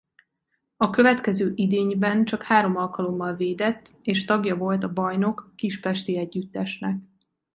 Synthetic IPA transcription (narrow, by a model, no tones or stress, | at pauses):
ɒkøvɛt̪kɛzøːʔid̪eːɲbɛnt͡ʃɒkhaːɾo̞mɒlkɒlo̞mːɒlveːd̪ɛt̪ːeːʃt̪ɒɡjɒvo̞lt̪ɒbɒjno̞kːiʃpɛʃt̪iɛɟːyt̪ːɛʃnɛk̚